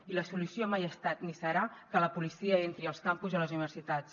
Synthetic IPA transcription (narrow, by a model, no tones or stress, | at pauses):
iləsulusiomajəst̪at̪nisəɾakələpulisiəent̪ɾiəlˠskampuzələzuniβəɾsit̪at͡s